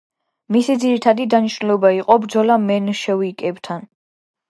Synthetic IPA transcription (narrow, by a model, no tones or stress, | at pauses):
misid̪ziɾit̪ʰad̪id̪aniʃnulɔbaiqʼɔbɾdzɔlamɛnʃɛvikʼɛbt̪ʰan